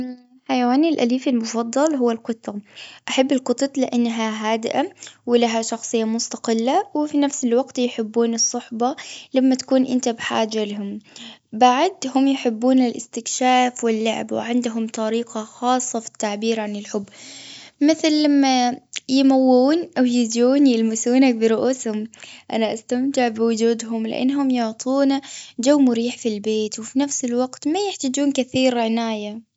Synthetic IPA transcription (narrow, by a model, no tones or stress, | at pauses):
ħajawaːnɪlʔaliːfɪlmʊfɑd̪ˤːɑlɦʊwːalqʊt̪ˤːɑʔaħabːɪlqʊt̪ˤɑt̪ˤlɪʔanːɦaɦaːd̪ɪʔawɪlaɦaʃɑxsˤɨjːamʊst̪aqɪlːawɪfinafsɪlwɑɡt̪jħɪbːuːnɨsˤːʊħbɑlamːat̪ḁkuːnʔɪnt̪abħa̰ːd͡ʒːalaɦʊmbaʕd̪hʊmjħɪbːuːnɪlʔɪst̪ɪkʃaːfwɪlːʊʕ̰bwɪ̰ʕɪnd̪ɦʊmt̪ˤɑɾiːqɑxɑːsˤːɑfi̥t̪ːaʕbiːɾʕanɪlħʊbːmɪθlːamːajɪmawːuːnʔawjɪduːnjɪlmɪsuːnak̚bɪɾʊʔuːshʊmʔa̰naʔast̪amt̪ɪʕbɪwʊd͡ʒuːd̪ɦʊmlɪʔa̰nːɦʊmjʊʕt̪ˤʰuːnad͡ʒawːmʊɾiːħfilbeːt̪wɪfinafsɪlwaɡ̥t̪majɪħt̪ad͡ʒuːnkɪθiːɾʕɪnaːja